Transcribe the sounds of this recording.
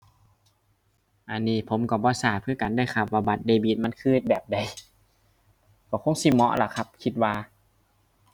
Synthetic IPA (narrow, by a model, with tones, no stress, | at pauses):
ʔa˧nːiː˧˩pʰo˨˦mkɔ˧˩bɔː˧˦saː˨˩t̪̚pʰɯ˧˩ɐka˨nda˧˨jkʰa˧˩waː˧˩ba˧˦t̪̚deː˧biː˧˩t̪̚ma˧˥˨nkʰɯː˧˩˨t̪̚bɛː˨˩p̚da˨˩j | kɔ˧˩kʰo˧˥ŋsi˧mɔ̰˧˥ʔla̰˧˩kʰa˧˥p̚kʰi˧t̪̚waː˧